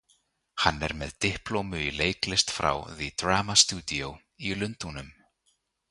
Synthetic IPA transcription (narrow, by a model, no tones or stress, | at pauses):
hanːɛɾmɛðt̪ɪhplowmʏileːjklɪst̪fɾa̰wðid̪ɾaːmast̪uːt̪iow | ilʏnt̪unʏm